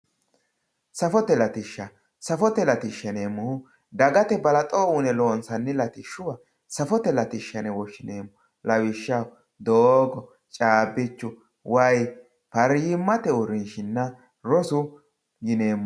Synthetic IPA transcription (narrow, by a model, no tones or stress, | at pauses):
sɐfɔt̪ɛlɐt̪ɪʃːɐ | sɐfɔt̪ɛlɐt̪ɪʃːɐneːmːʊhʊ | d̪ɐɡɐt̪ɛbɐlɐt̪ʼouːnɛloːnsɐnːɪlɐt̪ɪʃːʊwɐ | sɐfɔt̪ɛlɐt̪ɪʃːɐnɛwɔʃɪneːmʊ | lɐwɪʃːɐ | d̪oːɡɔ | t͡ʃʼaːbɪt͡ʃːʊ | wʔɐj | pɐɾjɪmːɐt̪ɛʊɾɪnʃɪnːɐ | ɾɔsʊ | jɪneːmːʊ